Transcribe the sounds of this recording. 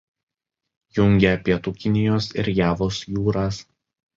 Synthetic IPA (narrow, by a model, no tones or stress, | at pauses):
jʊŋʲɡʲɛɐpʲiɛt̪uːkʲɪnʲɪjoːsɪɾjæːʋoːsjuːɾɑːs